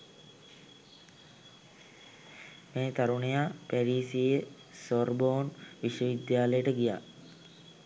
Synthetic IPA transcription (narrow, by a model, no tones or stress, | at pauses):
meːt̪aɾuɳejapæɾiːsijə | soɾboːnʋiʃʋəʋid̪jaːləjəʈəɡija̰ː